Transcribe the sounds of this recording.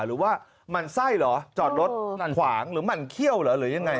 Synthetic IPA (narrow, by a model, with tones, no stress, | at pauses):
ɾɯː˩˦waː˥˩ | ma˧nsa˥˩jlɔ˩˦t͡ɕɔː˨˩t̪̚ɾo˦˥t̪̚na˧˩nkʰwaː˩˦ŋɾɯː˩˦ma˧˩nkʰi˥˩əwlɔː˩˦ɾɯː˩˦ja˧ŋːa˧j